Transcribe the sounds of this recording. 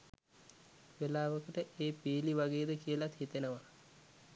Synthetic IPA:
ʋelaːʋəkəʈəʔeːpiːliʋaɡeːd̪əkiəlat̪hit̪enəʋa

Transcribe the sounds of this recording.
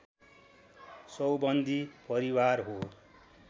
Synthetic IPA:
sʌwbʌnd̪ʱipʌɾiwarɦo

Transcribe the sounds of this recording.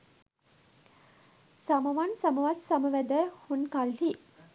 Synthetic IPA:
saɐmɐʋɐnsɐmɐʋɐt̪sɐməʋæd̪əhunkalhi

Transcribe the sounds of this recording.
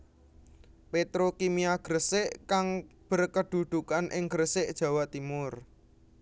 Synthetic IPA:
pet̪ɾokimiaɡ̥ɾəsɪʔkaŋb̥ə̤rkəd̪̥ṳd̪̥ṳkanʔɪ̰ŋɡ̥ɾəsɪʔd̥ʒ̥ä̤wat̪imʊr

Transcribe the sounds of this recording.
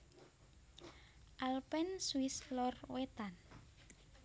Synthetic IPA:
ʔalpɛnswislɔrwet̪an

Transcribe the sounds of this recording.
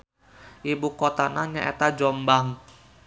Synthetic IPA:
ʔibukot̪anaɲaʔet̪ad͡ʒɔmbaŋ

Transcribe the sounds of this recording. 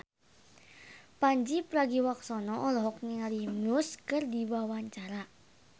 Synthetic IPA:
paɲd͡ʒipɾaɡiwaksɔnɔʔɔlɔɦɔk̚niŋalimuskɨrdiwawaɲt͡ʃaɾa

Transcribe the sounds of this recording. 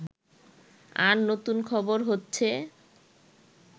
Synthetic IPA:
aɾnot̪unkʰɔboɾɦotːɕʰe

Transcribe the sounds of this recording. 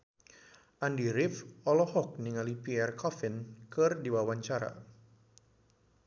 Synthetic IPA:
ʔandiɾɪfɔlɔhɔk̚niŋalipiɛrkɔfɪnkɨrdiwawaɲt͡ʃaɾa̰

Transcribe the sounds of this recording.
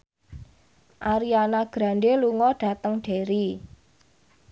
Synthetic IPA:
ʔaɾianaɡ̥ɾa̤nɖeluŋɔɖ̥a̤t̪əŋɖ̥e̤ɾi

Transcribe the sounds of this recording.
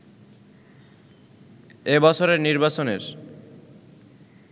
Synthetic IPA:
ebɔt͡ɕʰoɾeɾniɾbat͡ɕoneɾ

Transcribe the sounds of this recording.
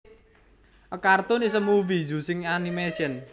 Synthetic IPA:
ʔəkart̪ʊnis̬əmuvid͡ʒṳsɪŋanimesiən

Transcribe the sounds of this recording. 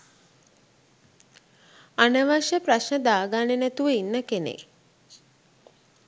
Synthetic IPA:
anəʋaʃjəpɾaʃnəd̪aːɡaːnenæt̪uʋəinːəkenḛk

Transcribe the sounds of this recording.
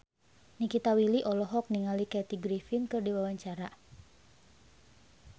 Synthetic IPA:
nikit̪awiliʔɔlɔɦɔk̚niŋalikɛt̪iɡɾifinkɨrdiwawaɲt͡ʃaɾa

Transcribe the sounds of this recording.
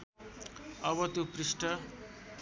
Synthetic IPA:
ʌβʌt̪joprisʈʌ

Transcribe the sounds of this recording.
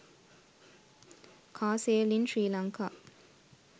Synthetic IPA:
kʰaːselinʂiːlaŋkʰa

